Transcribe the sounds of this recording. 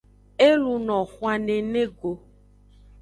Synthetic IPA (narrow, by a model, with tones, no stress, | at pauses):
e˦lu˧nɔ̃˨xwa˨ne˨nẽ˦ɡo˨